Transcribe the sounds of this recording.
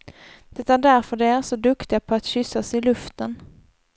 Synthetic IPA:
d̪̥ɛt̪aɖæɾfœɖɛæɾsɔd̪ɵkt̪ɪapʰɔat̪ɕʏsːasɪlɵft̪ən

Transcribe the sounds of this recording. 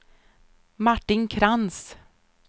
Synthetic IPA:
maʈːɪnkʰɾans

